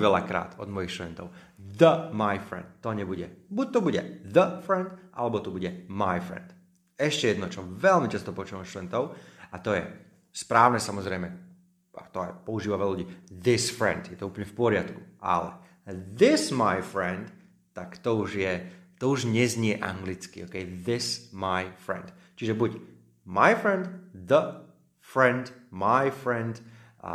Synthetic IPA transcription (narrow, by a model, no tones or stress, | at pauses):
ʋɛlakɾa̰ːt̪ɔd̪mɔjixʃt̪udɛnt̪ɔʊ | ðəmajfɾɛ̰nt̪ːɔɲɛbuɟɛbuc̚t̪ɔbuɟɛðəfɾɛnd̪ʔa̰lɛbɔt̪ɔbuɟɛmajfɾɛ̰nd̪ | ɛʃcɛjɛd̪nɔt͡ʃɔʋɛlmit͡ʃast̪ɔpɔut͡ʃuːamʃt̪uɛnt̪ɔʊat̪ɔjɛ̰ | spɾaːʊnɛsamɔzɾɛjmɛ | a̰t̪ɔa̰jpɔuʒiːʋaʋɛluɟiːðɪsfɾɛ̰nd̪jɛt̪ɔuːpl̩ɲɛfpɔɾɪat̪ku̥ʔa̰lɛ̰ | ðɪsmajfɾɛnd̪ | t̪akt̪ɔuʒjɛt̪ɔuʒɲɛzɲɪɛʔa̰ŋɡlit͡skḭɔːkɛjðɪsmajfɾɛ̰nd̪ | t͡ʃiʒɛbuc | majfɾɛnd̪ðə | fɾɛnd̪majfɾɛnd̪